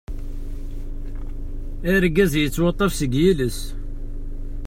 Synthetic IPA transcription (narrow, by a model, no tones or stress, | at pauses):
æɾɡæzjət͡sːwɑt̪ˤːɑfsəɡjiləs